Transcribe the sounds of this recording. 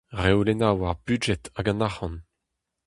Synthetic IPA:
ʁewlenawaʁbyʒɛtaɡɑ̃nahɑ̃n

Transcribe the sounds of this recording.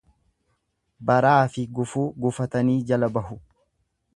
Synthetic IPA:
bɐɾaːfɪɡʊfuːɡʊfɐt̪ɐniːd͡ʒɐlɐbɐɦʊ

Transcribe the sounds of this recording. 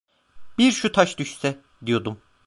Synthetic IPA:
biɾʃut̪ʰaʃd̪yʃsɛ | d̪ijo̞d̪um

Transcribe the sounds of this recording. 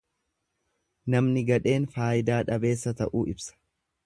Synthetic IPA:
nɐmnɪɡɐᶑe̞ːnfaːjɪd̪aːᶑɐbe̞ːsːɐt̪ɐʔuːɪbsɐ̥

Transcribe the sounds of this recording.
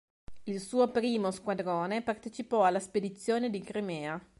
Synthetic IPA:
ilsuːopɾiːmoskwad̪ɾoːnepart̪et͡ʃipɔalːasped̪it̪sːjoːned̪iɡɾimɛːa

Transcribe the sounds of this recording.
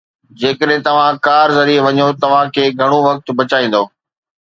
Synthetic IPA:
d͡ʑeːkəɗɦɪ̃t̪ɐʋ̤ãkaːɾzɐɾieʋɐɲot̪ɐʋ̤ãkʰeːɡʱɐɽ̃oʋɐk̚t̪̆bɐt͡ɕaːĩːn̆d̪oː

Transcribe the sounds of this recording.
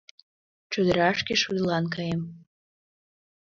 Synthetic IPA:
ʈ͡ʂʰud̪ɾaʂkʲiʃud̪lankʰajem

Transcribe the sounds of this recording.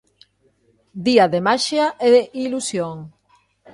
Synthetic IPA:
d̪iaðemaʃaʔeðeʔilusjoŋ

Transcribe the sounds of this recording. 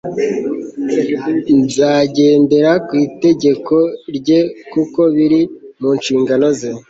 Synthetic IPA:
zaːɟe̞ːnde̞ɾakwiːte̞ɟe̞ko̞ɾɟe̞kuko̞βiɾimuːnʃiːŋɡano̞ze

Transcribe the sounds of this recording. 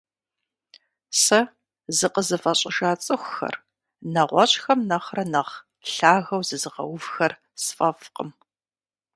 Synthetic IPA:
sɐ | zɨqəzɨfʼɐɕʼɪʒaːt͡sʼɨxʷxɐ̰r | nɐʁʷɔɕʼxɐmnɐχrɐnɐʁ | ɬaːɣɐwzɨzɨʁɐ̰wʊvxɐr | sfʼɐfqə̰m

